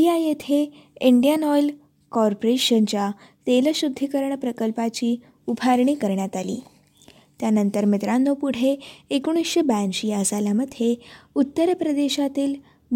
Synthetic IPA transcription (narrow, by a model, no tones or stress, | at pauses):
iajet̪ʰe | iɳɖijanɔjl | kɔɾpoɾeɕənt͡ɕja | t̪elɕud̪ʱːikəɾɳpɾəkəlpat͡ɕiː | upʰaɾɳ̃iːkəɾɳjat̪alḭː | t̪janənt̪əɾmit̪ɾanːopuɽ̤eːkuɽ̃isɕebanɕiasalaməd̪ʱjeut̪ːəɾpɾəd̪eɕat̪iːl | b